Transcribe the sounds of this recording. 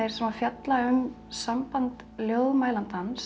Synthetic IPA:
ejɾ̥sɛmafjat̪laʏm | sampant̪ | ljoːwðmaːjlant̪ans

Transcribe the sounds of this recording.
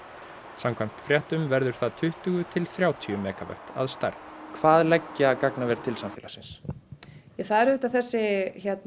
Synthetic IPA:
samkʰvajm̥t̪fɾjɛht̪ʏmvɛɾðʏɾ̥θaðt̪ʰʏht̪ʏɣʏt̪ʰɪlθɾjaːwt̪ʰiʏmɛːkavœ̰ht̪a̰ðst̪a̰ɾθkʰvaːðlɛcːakaknavɛːɾ̥t̪ʰɪlsamfɪːlasɪns | jɛθaðɛɾhʏht̪aθɛsːɪçɛt̪n

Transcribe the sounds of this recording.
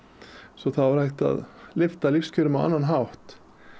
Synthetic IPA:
sɔθavaɾ̥hajht̪a̰ðlɪft̪alifscʰœːɾʏmava̰nːanɦawht̪

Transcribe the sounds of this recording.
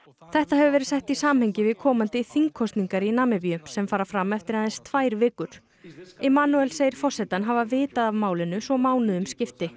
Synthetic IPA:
θɛht̪ahɛvʏvɛːɾɪ̥sɛjht̪isaːmhɛɲcɪvɪðkʰɔːmant̪ɪθiŋkʰɔst̪niŋkaɾɪinaːmɪpjʏmsɛmfaːɾafɾamːɛft̪ɪɾhanðɛnst̪ʰvaːjɾvɪːkʏɾ̥ | ɛmaːnuɛlseːjɪɾ̥fɔr̥sɛt̪anɦaːvavɪːt̪aðavmaːwlɪnʏsvɔmaːwnʏðʏmscɪft̪ɪ

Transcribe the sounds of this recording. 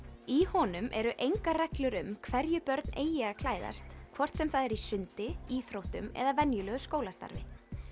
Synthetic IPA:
ihɔːnʏmʔɛɾʏʔejŋkarɛklʏɾʏmkʰvɛɾjʏpœɾt̪nʔeːjɪakʰlaːjða̰st̪kʰvɔr̥t̪sɛmθaðɛɾisʏnt̪ɪiːθɾowht̪ʏmɛ̰ðavɛnjʏlœːɣʏskoːwlast̪a̰ɾvɪ̰

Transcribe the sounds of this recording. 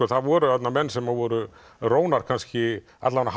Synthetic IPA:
ɔθaðvɔɾʏat̪namɛnːsɛmavɔɾʏ | ɾoːwnaɾ̥kʰanscɪ | a̰t̪lavana

